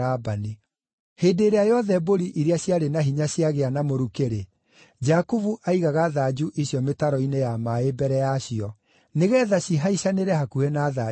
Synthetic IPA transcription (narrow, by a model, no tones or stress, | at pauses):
abani | heːdeːɾeajɔðɛboɾiʔiɾeaɕjaɾenaɦiɲaɕjaɣeanamoɾukeɾe | d͡ʒakuvuʔaiɣaɣaðaːd͡ʒuʔiɕjɔmetaɾɔinejamaebɛɾɛjaɕiɔ | neɣɛðaɕiɦaiɕaneɾɛhakuɛnaːða